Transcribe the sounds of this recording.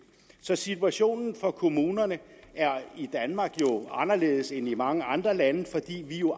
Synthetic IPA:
sɒ̽sit͡sʰuæɕo̝̰ːnn̩fɒ̽kʰo̝muːnɐnəæɐid̥ænmɑ̈ɡ̥jo̝ɑ̈nɐle̝̰ːð̞̩ˠsenimɑ̈ŋəɑ̈nd̥ʁɐlænəfɒ̽d̥ḭːʋijo̝

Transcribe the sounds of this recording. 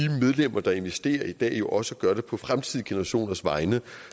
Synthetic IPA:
imeð̞ˠlem̰ɐd̥ɑ̈e̝nʋesd̥e̝̰ːɐid̥ɛ̰ːjo̝ʔɒ̽səɡ̥ɶɐdɾe̝pʰɒ̽fʁamt͡sʰið̰ˠɡ̥e̝nəɐʁɑ̈ɕo̝̰ːnɐsʋɑ̈ɪnə

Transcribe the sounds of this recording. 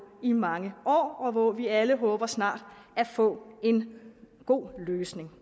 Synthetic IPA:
imɑ̈ŋəʔɒ̰ːɒ̽ʋɒʋiæləɦɔ̽ːb̥ɐsnɑ̰̈ːd̥æfɔ̰̽ːe̝n | ɡ̥o̝̰ːløːsne̝ŋ

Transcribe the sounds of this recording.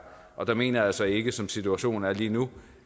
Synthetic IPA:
ʔɒ̽d̥ɑ̈me̝̰ːnɐjɑsɒ̽ɪe̝ɡ̥əsɒ̽msit͡sʰuæɕo̝̰ːn̩æɐliːnu

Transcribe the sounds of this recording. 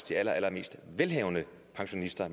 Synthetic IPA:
t͡sʰiælɐʔælɐme̝̰ːsd̥ʋelɦɛ̰ːʊnə | pʰɑ̈ŋɕo̝nisd̥ɐm

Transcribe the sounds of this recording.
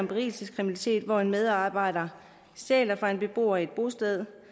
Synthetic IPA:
ɒmbʁḭːlsiskʰʁiminælit͡sʰe̝̰ːd̥ʋɒenmeð̞ˠɑ̈ːb̥ɑ̈ɪ̰ɾɐ | sɛ̰ːlɐfɑ̈e̝nb̥e̝b̥o̝̰ːɐie̝d̥̚b̥o̝sd̥eð̞ˠ

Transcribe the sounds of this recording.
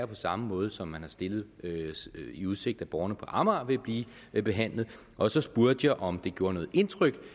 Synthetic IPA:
ɐpʰɒ̽sɑ̈məmɔ̽ːð̞ˠsɒ̽mːænhɑ̈sd̥e̝lð̞̩ˠ | iuðˠse̝ɡ̥̚d̥æb̥ɒːɐnəpʰɒ̽ʔɑ̈mɑʋe̝b̥liː | b̥e̝ɦæn̰lð̩ˠ | ʔɒ̽sɒ̽sb̥uɐd̥jɑ̈ɪʔɒ̽md̥e̝ɡ̥jo̝ːɐnɔ̽ːð̩ˠe̝nt͡sʰʁœɡ̥

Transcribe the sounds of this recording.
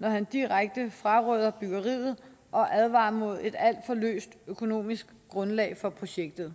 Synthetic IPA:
nɒhænd̥iʁaɡ̥̚d̥əfʁɑ̈ʁœð̞ˠɐb̥yɡ̥ɐʁḭːð̞̩ˠ | ʔɒ̽ʔæðˠʋɑ̰̈ːmo̝ð̞̰ˠe̝d̥æl̰d̥fɒ̽lø̰ːsd̥økʰo̝no̝̰ːmisɡ̥ɡ̥ʁɔ̽nlɛ̰ːɪfɒ̽pʰʁo̝ɕeɡ̥̚d̥ð̩ˠ

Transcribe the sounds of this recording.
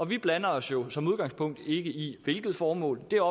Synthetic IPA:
ɒ̽ʋib̥lænɐɒ̽sjo̝sɒ̽muð̞ˠɡ̥ɑ̈ŋspʰɔ̽ŋ̰d̥e̝ɡ̥əiʋe̝lɡ̥ð̩ˠfɒːmɔ̰̽ːld̥e̝ɒ

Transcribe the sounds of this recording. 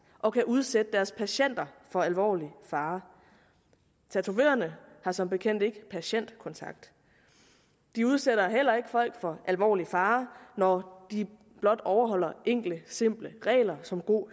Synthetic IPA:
ʔɒ̽kʰæʔuð̞ˠsed̥əd̥æɐspʰæɕen̰d̥ɐfɒ̽ælʋɒ̰ːlifɑ̈ː | t͡sʰæt͡sʰuʋḛːɐnəhɑ̈sɒ̽mb̥e̝kʰen̰d̥e̝ɡ̥əpʰæɕen̰d̥kʰɒ̽nt͡sʰɑ̈ɡ̥̚d̥ | d̥iuð̞ˠseɾɐɦel̰ɐe̝ɡ̥əfɒ̽l̰ɡ̥fɒ̽ʔælʋɒ̰ːlifɑ̈ːnɒd̥i | b̥lɒ̽d̥ɒʊɐɦɒ̽l̰ɐʔeŋ̰ɡ̥ləse̝m̰b̥ləʁɛ̰ːlɐsɒ̽mɡ̥o̝̰ː

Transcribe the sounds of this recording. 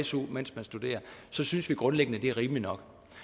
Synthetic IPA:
sumen̰smænsd̥ude̝̰ːɐsɒ̽synsʋiɡ̥ʁɔ̽nleɡ̥ənəd̥e̝æʁiːmlinɒ̽ɡ̥

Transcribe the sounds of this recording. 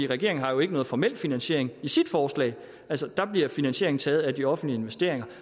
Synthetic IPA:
ḭʁɛɡ̥e̝ɐ̰eŋn̩ɦɑ̈jo̝e̝ɡ̥ənɔ̽ːð̩ˠfɒmel̰finænɕe̝ɐ̰e̝ŋisid̥fɒːslɛ̰ɪ | ælsəd̥ɑ̈b̥liɐfinænɕe̝ɐ̰eŋn̩t͡sʰɛːð̩ˠæd̥iɒ̽fn̩̥lie̝nʋesd̥e̝ɐ̰e̝ŋɐ

